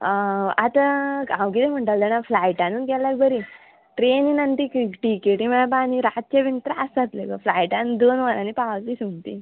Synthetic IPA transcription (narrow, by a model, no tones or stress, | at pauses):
at̪akawkit̪em̤əɳʈəld̪ənaflajʈanuːnɡɛlːak̚bəɾi | ʈɾeninant̪ikʈikeʈim̤ənap̬aniɾat̪̚t͡ɕeʋint̪ɾaasat̪lekəflajʈand̪onʋananipatlisuŋt̪ḭ